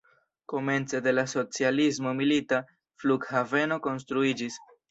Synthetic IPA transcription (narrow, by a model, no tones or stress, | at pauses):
ko̞me̞nt͡se̞de̞laso̞t͡sializmo̞milita | fluɡhave̞no̞ko̞ns̬tɾuid͡ʒis